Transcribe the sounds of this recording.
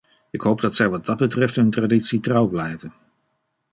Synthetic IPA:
ɪkɦowp̚dɑtsɛjʋɑd̚ɑd̚bətrɛftɦɵntraditsitrɑwblɛjvən

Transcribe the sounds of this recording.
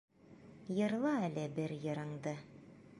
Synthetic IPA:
jɤ̆ɾlˠɑælɘbɘɾjɤ̆ɾɤ̆ɴd̪ɤ

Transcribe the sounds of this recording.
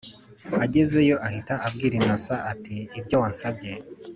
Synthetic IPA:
aɟe̞ze̞jo̞ʔahitaʔabɡiːɾinasaʔatiːbjo̞wansabɟe̞

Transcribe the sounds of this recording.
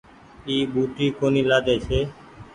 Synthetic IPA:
iːbuːʈiːkoniːlaːd̪eːt͡ʃʰeː

